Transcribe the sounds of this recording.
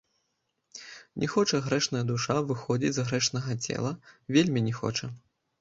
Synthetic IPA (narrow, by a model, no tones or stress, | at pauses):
nʲʔɛxɔt͡ʂɐɣɾɛʂnɐjɐd̪uʂavɨxɔd͡zʲit͡sʲzɣɾɛʂnɐɣɐt͡sʲɛ̰lˠɐvʲelʲmʲinʲɛxɔ̰t͡ʂɐ